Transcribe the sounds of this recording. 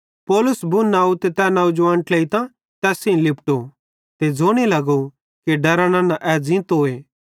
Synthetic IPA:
pɔːlʊsbunaːut̪et̪ɛːnãːud͡ʒʋãːnʈlɐit̪ã | t̪ɛːsĩĩlɪpʈo | t̪ed͡zoːɽ̃elɐɡo | kiɖɐɾãñãnãʔɛːd͡zɪ̃t̪ɦoːeː

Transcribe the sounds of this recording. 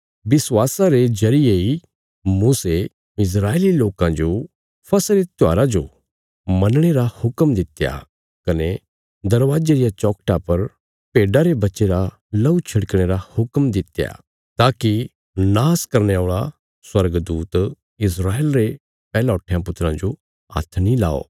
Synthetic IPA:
bɪswaːsaɾed͡ʒɐɾɪjei | muːse | ɪs̬ɾaːeliloːkãd͡ʒo | pʰɐsɾet̪ja̰ːɾad͡ʒo | mɐnɽ̃eɾahʊkmd̪ɪt̪ːja̰ | kɐne | d̪ɐɾʋaːd͡ʒeɾɪjat͡ʃɔːkʈapɐɾ | peːɖaɾebɐtːʃeɾa | lɐut͡ʃʰɐɽkɽ̃eɾahʊkmd̪ɪt̪ja̰ | t̪aːki | naːskɐɾneaːɭa | swɐɾɡd̪uːt̪ | ɪs̬ɾaːeːlɾe | pɛːlaʊʈʰːejãpʊt̪ːɾãd͡ʒo | a̰t̪ʰːnĩla̰ːo̰ː

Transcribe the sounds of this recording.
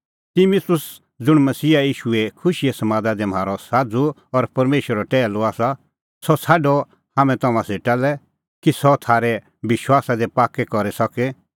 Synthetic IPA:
t̪ɪmɪt̪ʊs | d͡zʊɽ̃mɐsiːaiːʃuɛkʰʊʃiɛsɐmãːd̪ad̪ɛm̤aːɾɔsaːd͡zu | ɔɾpɐɾmeːʃwəɾɔʈɛːlɔaːsa | sɔt͡sʰaːɖɔ | haːmɛ̃t̪ɐmãseʈalɛ | kisɔt̪ʰaːɾɛ | bɪʃwaːsad̪ɛpaːkːɛkɔɾɛsɔkɛ

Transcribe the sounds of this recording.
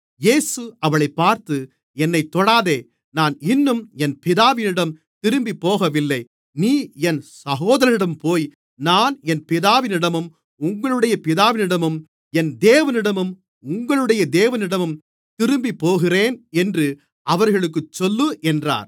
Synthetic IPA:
jeːsɯɐʋɐɭɐɪpːaːɾt̪ɯ | ɛnːɐɪt̪ːɔɽaːðeː | naːnɪnːɯmɛnpɪðaːʋɪnɪɽɐm | t̪ɪɾɯmbipːoːɣɐʋɪlːɐɪ | niːɛnsɐɣoːðɐɾɐɾɪɽɐmpoːj | naːnɛnpɪðaːʋɪnɪɽɐmɯm | ʊŋɡɐɭɯɽɐjɐpɪðaːʋɪnɪɽɐmɯm | ɛnd̪eːʋɐnɪɽɐmɯm | ʊŋɡɐɭɯɽɐjɐd̪eːʋɐnɪɽɐmɯm | t̪ɪɾɯmbipːoːɣɪreːnɛndrɯ | ɐʋɐɾɣɐɭɯk̬ːɯt͡ʃːɔlːɯʔɛndra̰ːɾ

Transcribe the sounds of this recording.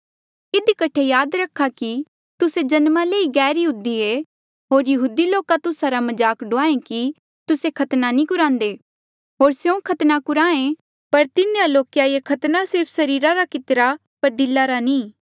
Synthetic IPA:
ɪd̪ikɐʈʰejaːd̪ɾɐkʰaki | t̪ʊsed͡ʒɐnmaleːiɡɛːɾjɐɦuːd̪ie | ɦoːɾjɐɦuːd̪iloːkat̪ʊsaɾamɐd͡ʒaːkɖʊaːẽki | t̪ʊsekʰɐt̪nanĩkʊɾãːnd̪eː | ɦoːɾsjõkʰɐt̪nakʊɾãːẽ | pɐɾt̪ɪnealoːkjajekʰɐt̪nasɪɾpʰsɐɾiːɾaɾakɪt̪ɾa | pɐɾd̪ɪlːaɾanĩː

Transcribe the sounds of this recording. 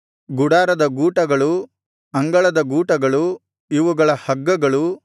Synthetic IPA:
ɡuɽaːɾɐd̪ɐɡuːʈɐɡɐɭu | ɐŋɡɐɭɐd̪ɐɡuːʈɐɡɐɭu | iʋuɡɐɭɐhɐɡːɐɡɐɭu

